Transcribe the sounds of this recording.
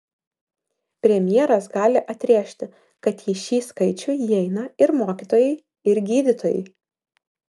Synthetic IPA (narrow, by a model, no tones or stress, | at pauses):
pʲɾʲɛmʲjeɛɾɐsɡɑːlʲɪʔɐt̪ʲɾʲeːʃʲt̪ʲɪ | kɐt̪iʃʲiːskɐɪt͡ʃʲʊjɛɪnɐɪɾmoːkʲit̪oːjɛɪ | ɪɾɡʲiːd̪ʲɪt̪oːjɛ̰ɪ